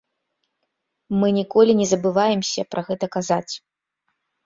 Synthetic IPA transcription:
mɨnʲikɔlʲinʲɛzɐbɨvajɛmsʲɐpɾʔaɣɛt̪ɐkazat͡sʲ

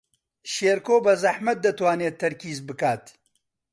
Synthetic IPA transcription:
ʃeːɾkoːbɐzɐħmɐt̪̚d̪ɐt̪waːneːt̪ʰːɐɾkiːzbɨkaːt̪

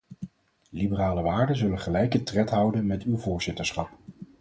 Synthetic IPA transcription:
libəraːləʋaːɹdəzɵləχəlɛjkətrɛtɦʌwdənmɛtywvʊːɹz̥ɪtəɹsχɑp

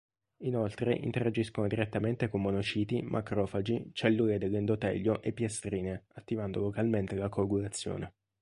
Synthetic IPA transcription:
inolt̪ɾeʔḭnt̪eɾad͡ʒiskonod̪iɾet̪ːament̪ekomːonot͡ʃiːt̪imʔakɾɔːfad͡ʒit͡ʃelːuːled̪elːend̪ot̪ɛ̰ʎːoʔepːjest̪ɾiːneat̪ːivand̪olokalment̪elakoɡuɾat̪sːjo̰ːne

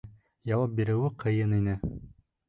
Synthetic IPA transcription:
jɑwɑp̚biɾɘ̆wɘqʰɤ̆jɤninɘ

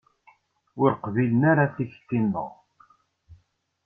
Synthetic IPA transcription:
ʊɾqvilənaɾaθiç̥t̪ːinðə̰ʁ

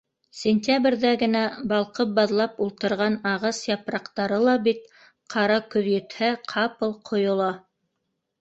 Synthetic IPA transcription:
sʲenʲt̪ʲabrʲðæɡɘ̆næbɑlˠqɤp̚bɑðlˠɑpulˠt̪ɤ̆ɾʁɑnɑʁɑsjɑpɾɑqt̪ɑɾɤlˠɑbit̪̚ | qʰɑɾɑkɵ̆ðjɵ̆t̪hæqʰɑpɤlˠqʰŏjŏlˠɑ

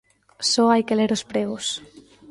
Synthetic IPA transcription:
soajkeleɾospɾeus

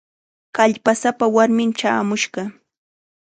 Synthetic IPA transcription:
kaʎpasapawaɾmɪmt͡ʃaːmʊʃɢɑ

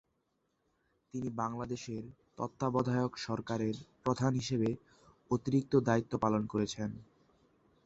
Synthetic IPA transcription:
t̪inibaŋlad̪eʃeɾt̪ɔ̰t̪ːabɔd̪ʱaeokʃɔɾkaɾeɾpɾod̪ʱanɦiʃeβe | ot̪iɾik̚t̪od̪ait̪ːopalonkoɾet͡ɕʰen

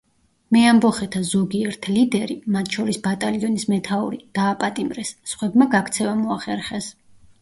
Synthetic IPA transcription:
mɛambɔχɛt̪ʰazɔɡiɛɾt̪ʰlid̪ɛɾimat̪ʰʃɔɾisbat̪ʼaliɔnismɛt̪ʰauɾid̪̥aːpʼat̪ʼimɾɛsːχwɛbmaɡakʰt̪sʰɛvamɔaχɛɾχɛs

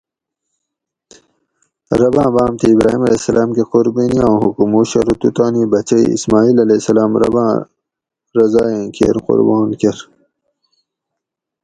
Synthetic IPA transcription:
ɾɐbãːbaːmt̪ʰiːbɾaːɦimɐleːsɐlaːmkequɾbiniãːɦṵkumuɕɐɾut̪ut̪aːnibɐt͡ɕɐ̰ḭsmaːiːlɐlesɐlaːmɾɐ̰bãː | ɾɐzaːjẽkʰḛɾqʊ̰ɾbaːnkeɾ

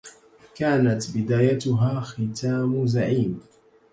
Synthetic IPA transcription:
kaːnat̪bɪd̪aːjat̪ʊɦaːxɪt̪ʰaːmzaʕiːm

